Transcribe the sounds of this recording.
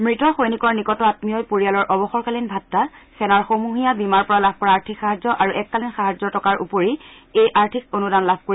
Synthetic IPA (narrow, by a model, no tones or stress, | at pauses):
mɹitɔxojnikɔɹnikɔtɔatmijɔjpoɹijalɔɹʔɔbɔxɔɹkalinbʱatːasɛnaɹxomuɦijabimaɹpɔɹalabʱpɔɹaaɹtʰikxaɦazzɔʔaɹuʔɛkːalinxaɦazzɔtɔkaɹʔṵpoɹi | ejʔaɹtʰikonudanlabʱkoi